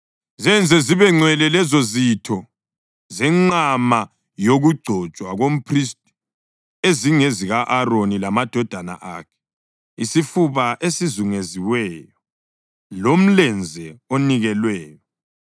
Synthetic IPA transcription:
zɛnd͡zʱɛziβɛŋ͡ǀwɛlɛlɛzozitʰɔ | zɛŋ͡ǀama | joɣuɡ͡ǀʱɔt͡ʃʼwaɣom̩pʰrist̚ʼi̥ | eziŋeziɣaʔaronilamad̥ʱɔd̥ʱana̰ʔa̰ːkʰɛ̥ | isifuβaʔesizuŋeziwɛjɔ | lom̩lɛnd͡zʱɛoniɣɛlwɛːjɔ

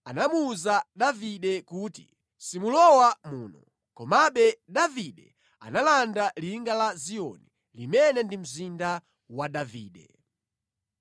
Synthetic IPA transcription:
anamuuzaɗaviɗɛkuːtḭ | simulɔwamuːnɔ | kɔmaɓɛɗaviɗɛ | a̰nalandaliŋɡalazijɔ̰ni | limɛnɛndim̩zinda | waɗaviːɗɛ̰

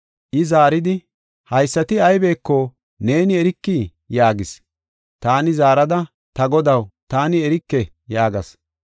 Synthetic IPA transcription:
ʔɪzaːɾɪd̪ɪ | hɐjsːɐt̪ɪɐjbe̞ːkːɔ | ne̞ːnɪɛɾɪkːiː | jaːɡɪs | t̪aːnɪzaːɾɐd̪ɐ | t̪ɐɡɔd̪ɐwt̪aːnɪɛɾɪkːɛ | jaːɡɐs

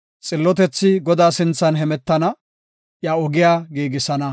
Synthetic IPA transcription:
t͡sʼɪlːɔt̪ɛt͡sːɪɡɔd̪aːsɪnt͡sːɐnɦɛmɛt̪ːɐnɐ | jaɔɡɪjaːɡiːɡɪsɐnɐ

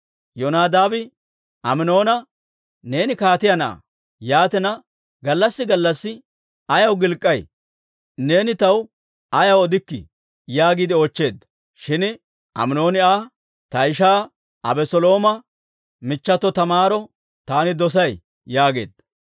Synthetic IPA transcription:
jɔnaːd̪aːbɪ | ʔɐmɪno̞ːnɐ | ne̞ːnɪkaːt̪ɪjɐnɐʔa̰ | jaːt̪ɛnɐ | ɡɐlːɐsːɪɡɐlːɐsːɪ | ɐjɐwɡɪlkʼːɐj | ne̞ːnɪt̪ɐw | ɐjɐwɔd̪ɪkːɪ̰ | jaːɡiːd̪ɪoːt͡ʃːe̞ːd̪ːɐ | ʃɪn | ʔɐ̰mɪno̞ːnɪaː | t̪ɐɪʃaː | ʔɐbɛsɔlo̞ːmɐ | mɪt͡ʃːɐt̪ːɔt̪ɐmaːɾɔ | t̪aːnɪd̪ɔs̬ɐj | jaːɡe̞̰ːd̪̥ɐ

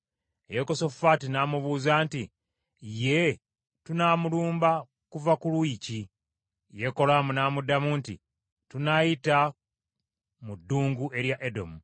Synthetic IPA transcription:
ejeko̞sofatinaːmuβuːzaːnti | je | tunaːmuluːmba | kuvakulwiːci | je̞ko̞laːmunaːmudamuntḭ | tunajita | mudːuːŋɡue̞ɾjaʔedo̞̰mu

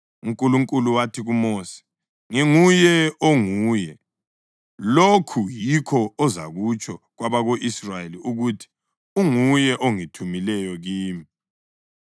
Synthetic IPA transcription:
uŋkʼuluŋkʼuluwatʰiɣumoːsi̥ | ŋeŋujɛoŋuːjɛ | lokʰujikʰɔːza̰ɣut͡ʃʼʰɔɣwaβaɣoʔisrajeliuɣutʰi̥ | uŋujɛʔoŋitʰumilɛjɔɣiːmi

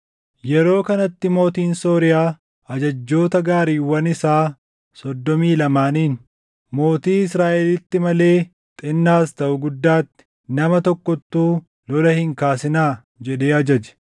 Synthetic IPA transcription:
jɛɾo̞ːkɐnɐt̪ːɪmo̞ːt̪iːnso̞ːɾɪjaː | ɐd͡ʒɐd͡ʒːo̞ːt̪ɐɡaːɾiːwɐnɪsaː | sɔd̪ːɔmiːlɐmaːniːn | mo̞ːt̪iːɪsɾaːʔɛlɪt̪ːɪmɐle̞ː | t̪ʼɪnːaːst̪ɐʔʊɡʊd̪ːaːt̪ːɪ̥ | nɐmɐt̪ɔkːɔt̪ːuː | lɔlɐhɪŋkaːsɪnaː | d͡ʒɛᶑe̞ːɐd͡ʒɐd͡ʒɛ̥

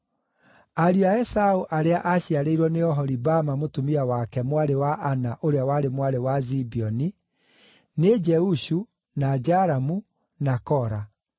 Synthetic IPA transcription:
aɾiaɛsaoʔaɾeaʔaɕiaɾeiɾwɔneɔɦɔɾibamamotumiawakɛmwaɾewaʔanaʔoɾeawaɾemwaɾewazibiɔni | ned͡ʒɛuɕu | nad͡ʒaɾamu | nakɔɾa

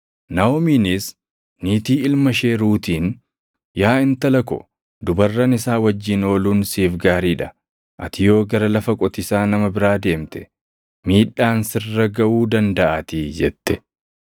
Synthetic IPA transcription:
nɐomiːnɪs | niːt̪iːɪlmɐʃeːɾuːt̪iːn | jaːɪnt̪ɐlɐkɔ̰ | d̪ʊbɐrːɐnɪsaːwɐd͡ʒːino̞ːluːnsiːfɡaːɾiːᶑɐ | ʔɐ̰t̪ɪjo̞ːɡɐɾɐlɐfɐkʼɔt̪ɪsaːnɐmɐbɪɾaːd̪e̞ːmt̪ɛ̥ | miːᶑaːnsɪrːɐɡɐʔuːd̪ɐnd̪ɐʔaːt̪id͡ʒɛt̪ːɛ̥

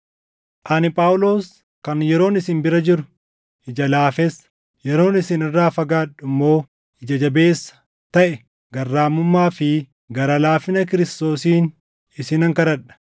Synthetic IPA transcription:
ʔɐnɪpʼaːwʊlo̞ːs | kɐnjɛɾo̞ːnɪsɪnbɪɾɐd͡ʒɪɾʊ̥ | ʔɪd͡ʒɐlaːfɛs | jɛɾo̞ːnɪsɪnɪrːaːfɐɡaːᶑʊmːo̞ː | ɪd͡ʒɐd͡ʒɐbeːsːɐ̥ | t̪ɐʔɛ | ɡɐrːaːmʊmːaːfɪ | ɡɐɾɐlaːfɪnɐk̬ɪɾɪst̪o̞ːsiːn | ɪsɪnɐŋkɐɾɐᶑɐ̥

